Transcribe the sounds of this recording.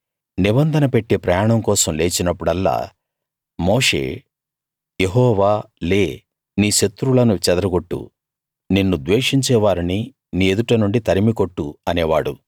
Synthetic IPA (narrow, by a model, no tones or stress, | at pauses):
nibɐnd̪ʱɐnɐpe̞ʈːeːpɾɐjaːɳɐmkɔːsɐmle̞ːt͡ʃinɐpːuɽɐlːa̰ː | moːʂe̞̰ː | jeɦɔːʋaː | le̞ː | niːʃɐt̪ːɾulɐnut͡ʃɛd̪ɐɾɐɡo̞ʈːṵ | ninːud̪ʋeːʂiɲt͡ʃɛːʋaːɾini | niːed̪uʈɐnuɳɖit̪ɐɾimikoʈːuɐnɛːʋa̰ːɽu